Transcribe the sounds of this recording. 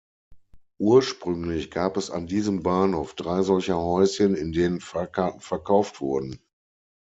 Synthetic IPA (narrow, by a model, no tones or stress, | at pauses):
ʔuːɐʃpʁ̥ʏŋlɪçɡ̥aːpɛsa̰ndiːzəmbaːnhoʊfd̥ʁaɪzɔlçɐhɔʏsçənɪndeːnənfaɐkʰaɐtn̩fɛɐkʰaʊftv̥ʊɐdn̩